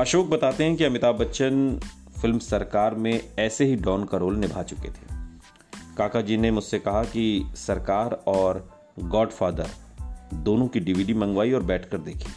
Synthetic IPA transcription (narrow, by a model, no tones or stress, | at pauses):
ɐʃoːk̚bɐt̪aːt̪eɦɛ̃kiɐmɪt̪aːbɐtːʃən | fɪlmsɐɾkaːɾmẽɛːseɦiɖɔːnkaɾoːlnɪbʱat͡ʃʊkḛt̪ʰe̥ː | kaːkad͡ʒiːnemʊd͡ʒsekɐɦakisɐɾkaːɾɔːɾ | ɡɔːɖfaːd̪ə̰ɾd̪oːnõkiɖiʋiːɖimɐ̃ŋɡʋaːiɔːɾbɛːʈʰkɐɾd̪eːkʰeː